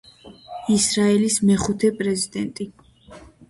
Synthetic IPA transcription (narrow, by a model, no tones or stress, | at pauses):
isɾaɛlismɛχut̪ʰɛpʼɾɛzid̪ɛnt̪ʼi